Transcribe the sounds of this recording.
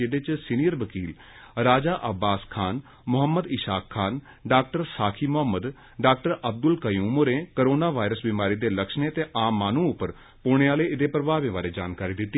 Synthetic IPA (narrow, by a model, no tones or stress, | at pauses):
eːɽeːt͡ʃsiːnijəɾʋəkiːl | ɾaːd͡ʒaːʔəbːaːskʰaːn | mʊɦəmːəd̪ɪʃaːkʰːaːn | ɖaːk̚ʈəɾsaːkʰiːmʊɦəməd̪ | ɖaːk̚ʈəɾəb̚d̪ʊlkəjũːmoːɾẽːkəɾoːnaːʋaːɪɾəsbimaːɾiːd̪eːləkʃneːt̪eːʔaːmːaːnũːʊpːəɾ | poːɽ̃ẽːaːleːɪd̪eːpɾəbaːʋẽːʋaːɾeːd͡ʒaːnkaːɾiːd̪ɪt̪ːiː